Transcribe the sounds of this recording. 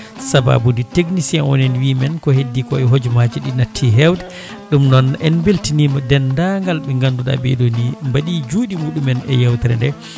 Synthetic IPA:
saba̰buditeɡnisɛnɔ̰nɛnwimɛnkɔhedːikɔɛɦod͡ʒmad͡ʒiɗinatʰːiɦɛwdɛ | ɗumnɔnɛnbeltinimɔdɛndaŋɡalɓɛŋɡanduɗa̰bɛ̰ɗonimbaɗid͡ʒuɗimuːɗumɛnɛ̰jawtɛɾɛ̰ndɛ

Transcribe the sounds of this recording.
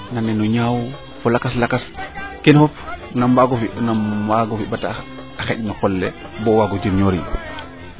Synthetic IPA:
nanɛnɔɲaw | fɔlakaslakaskenfɔfnambaɡɔfinambaɡɔfibata | axɛɗnɔxɔlːɛ | bɔwaːɡɔd͡ʒimɲoɾḭ

